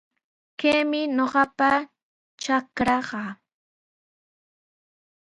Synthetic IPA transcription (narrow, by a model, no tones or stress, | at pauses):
keːmɪɲoɢɑpa | t͡ʃakɾɑɢɑː